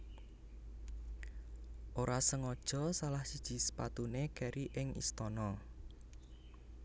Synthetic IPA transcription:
ʔoɾasəŋɔd̥ʒ̥ɔ̤salahsid̥ʒ̥i̤sə̥pa̰t̪unekɛɾiʔɪŋḭst̪ɔnɔ

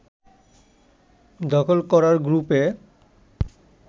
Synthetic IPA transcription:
d̪ɔkʰolkɔɾaɾɡɾupe

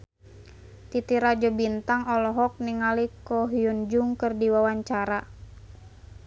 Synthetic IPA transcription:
t̪it̪iɾad͡ʒɔbint̪aŋɔlɔɦɔk̚niŋalikɔɦiund͡ʒuŋkɨrdiwawaɲt͡ʃaɾa

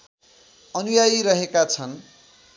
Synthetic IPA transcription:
ʌnujajɾʌɦekat͡sʰʌn

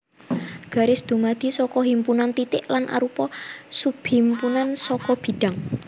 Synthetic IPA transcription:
ɡ̥a̤ɾɪsd̪̥ṳmad̪̥i̤sɔkɔɦimpunant̪it̪ɪʔlanʔa̰ɾupɔsub̥impunansɔkɔb̥i̤ɖ̥aŋ

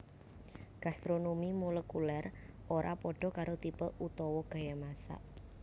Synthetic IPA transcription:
ɡ̥ast̪ɾonomimoləkulɛrʔoɾʔa̰pɔɖ̥ɔ̤kaɾot̪ipəlut̪ɔwɔɡ̥a̤jamasa̰

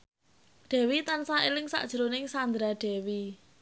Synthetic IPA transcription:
ɖ̪̥ɛ̤wit̪ansaelɪŋsa̰ʔd̥ʒ̥ə̤ɾonɪŋsand̪ɾaɖ̥ɛ̤wi

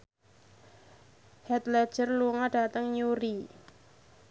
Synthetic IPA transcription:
hɛt̪lɛd̥ʒ̥ərluŋaɖ̥a̤t̪əŋjuɾi

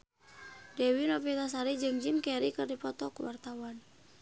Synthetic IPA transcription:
dɛwinɔpit̪asaɾid͡ʒɨŋd͡ʒimkɛɾikɨrdipɔt̪ɔkuwart̪awan

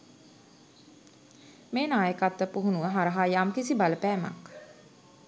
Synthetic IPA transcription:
meːnaːjəkat̪ːəpuɦunuəɦaɾəɦajaːmkisibaləpæːma̰k

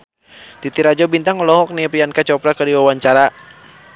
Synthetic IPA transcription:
t̪it̪iɾad͡ʒɔbint̪aŋɔlɔɦɔk̚nipiankat͡ʃɔpɾakədiwawaɲt͡ʃaɾa

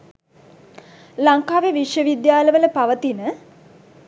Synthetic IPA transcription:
laŋkaːʋeʋiʂjəʋid̪jaːləʋələpaʋət̪inə

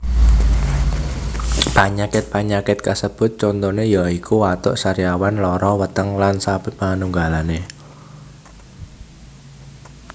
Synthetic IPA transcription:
paɲakɪt̪̚paɲakɪt̪̚kasəb̥ʊ̤t̪̚t͡ʃɔnt̪ɔnejaikʰuwat̪ʊ̰ʔsaɾiawanlɔɾɔwət̪əŋlansab̥ɪ̤p̚manuŋɡalane

